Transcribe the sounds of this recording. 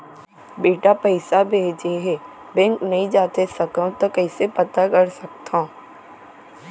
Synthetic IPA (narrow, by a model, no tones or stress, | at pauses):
beːʈapəɪsabʱeːd͡ʒeɦɛ | bɛ̃ŋknɐɦĩd͡ʒaːt̪esɐkə̃t̪okɐɪsepɐt̪akɐɽsɐkt̪ã